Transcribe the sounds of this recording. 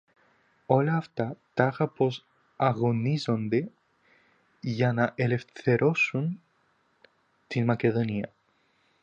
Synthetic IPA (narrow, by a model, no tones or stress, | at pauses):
o̞lɐːft̪ɐt̪ɐɣɐpo̞s | ɐɣo̞nizo̞nd̪e̞ | ʝɐnɐʔe̞le̞fθe̞ɾʔo̞sun | t̪inmɐce̞ðo̞niɐ